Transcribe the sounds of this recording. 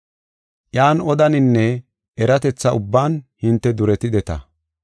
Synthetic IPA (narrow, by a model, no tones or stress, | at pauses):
ʔjaːnɔd̪ɐnɪnːɛ | ɛɾɐt̪ɛt͡sːɐʊbːaːnhɪnt̪ːɛd̪ʊɾɛt̪ɪd̪ɛt̪ɐ̰